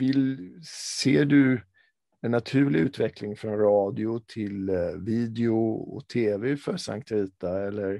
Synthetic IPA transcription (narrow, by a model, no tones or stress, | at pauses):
vɪlseːɖɵ | ɛnːat̪ʰʉ̟ːɭɪʉ̟ːt̪vɛklɪŋfɾɔnɾɑːd̪ɪʊt̪ʰɪlviːd̪ɛʊɔ̰t̪ʰeːvɛfœɾsa̰ŋkt̪ʰɾiːt̪aɛlːəɾ